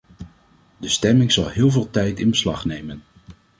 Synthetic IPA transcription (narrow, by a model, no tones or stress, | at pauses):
dəstɛmɪŋz̥ɑlˠɦɪːlˠvɪːlˠtɛjtɪnbəslɑχnejmən